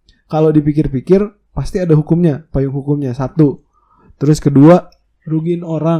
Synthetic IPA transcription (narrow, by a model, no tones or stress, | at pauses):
kalodipikɪrpikɪr | past̪iadaɦukʊmɲapajʊŋɦukʊmɲasat̪u | t̪əɾʊskədua | ɾuɡɪnoɾa